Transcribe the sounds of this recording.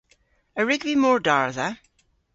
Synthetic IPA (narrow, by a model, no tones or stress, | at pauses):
əɹɪɡvimɔɹdaɹðə